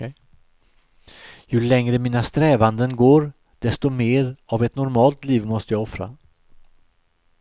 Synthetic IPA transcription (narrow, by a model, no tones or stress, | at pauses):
jɵlɛŋɾəmiːnast̪ɾɛːvand̪ənɡoːɾ | d̪̥ɛst̪ɔmeːɾavɛt̪nʊɾmɑːlt̪liːvmɔst̪əjaːɔfɾa̰